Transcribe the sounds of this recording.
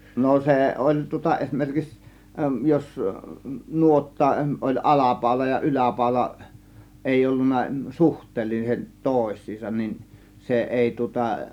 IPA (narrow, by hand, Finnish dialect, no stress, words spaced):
no seˑ olʲ tŭŏtɑ esmerkiks jos nuotːɑ ʔolʲ ɑlɑpɑˑo̝lɑ jɑ ylæpɑˑo̝lɑ eˑij̆ olːunːɑ suhtˑeːlːiset toˑe̝sˑiːsɑn nin se ʔeˑi tŭŏtɑ